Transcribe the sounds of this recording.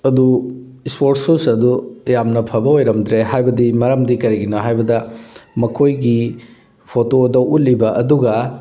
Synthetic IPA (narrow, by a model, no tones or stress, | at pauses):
ɐdu | ispoɾtsusɐdujamnɐpʰɐbɐojɾɐmdɾeɦajbɐdimɐɾɐmdikɐɾiɡinoɦajbɐdɐmɐkʰojɡi | pʰotodɐwʔut̚libɐʔɐduɡɐ